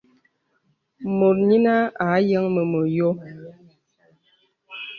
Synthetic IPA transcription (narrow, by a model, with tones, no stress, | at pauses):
mo˨t̚ɲi˦na˦a˨˦jə˦ŋmə˨mə˨jo˦